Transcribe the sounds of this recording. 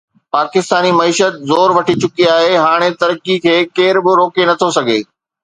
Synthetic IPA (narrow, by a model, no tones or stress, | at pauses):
paːkɪst̪aːnimɐiːʃət̪̚zoːɾʋɐʈʰit͡ɕʊkiaːɦeɦaːɽ̃et̪ɐɾkikʰeːkeːɾbɪɾoːkenɐt̪ʰosɐɡʱḛː